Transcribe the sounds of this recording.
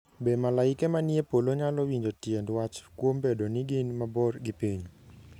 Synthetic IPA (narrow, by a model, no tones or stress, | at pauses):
bemalaɪkɛmanjepoloɲalɔwiɲd͡ʒotjendwat͡ʃkwombedonɪɡɪnmabɔrɡɪpiɲ